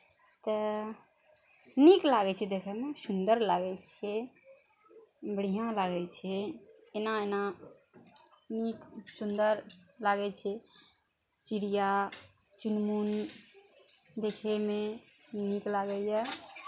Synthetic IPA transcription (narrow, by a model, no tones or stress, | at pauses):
t̪ə | niklaɡɛt͡ʃʰɛd̪ekʰɛmesund̪əɾlaɡɛt͡ʃʰɛ | bəɽ̤ijãlaɡɛt͡ʃʰɛː | naena | niksund̪əɾlaɡɛt͡ʃʰɛ | siɽija | t͡ʃunmun | d̪ekʰɛme | niklaɡɛjɛ